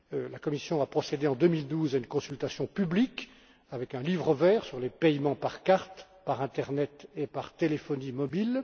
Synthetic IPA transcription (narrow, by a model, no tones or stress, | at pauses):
lakɔmisjɔ̃apχɔsed̪eɑ̃d̪ømild̪uːzaynkɔ̃sylt̪asjɔ̃pyblik | avɛkɛ̃livʁəvɛːʁsyʁlepɛjmɑ̃paʁkaʁt̪ | paʁɛ̃t̪ɛʁnɛt̪epaʁt̪elefɔnimɔbil